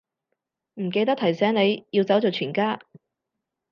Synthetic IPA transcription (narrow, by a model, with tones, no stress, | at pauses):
m̩˨˩ke˧jt̪̬ɐ˥k̚t̪ʰɐ˨˩jsɛː˨˥ŋne˨˧jjiː˧wt͡sɐ˨˥wt͡ʃo˨˧t͡ʃʰyː˨˩nkaː˥